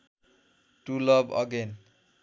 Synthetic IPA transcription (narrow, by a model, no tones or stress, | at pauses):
ʈulʌbʌ̰ɡen